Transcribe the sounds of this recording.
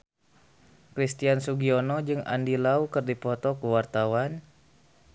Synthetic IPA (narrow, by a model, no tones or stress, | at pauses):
kɾist̪iansuɡiɔnɔd͡ʒɨŋa̰ndilaukɨrdipɔt̪ɔkuwart̪awan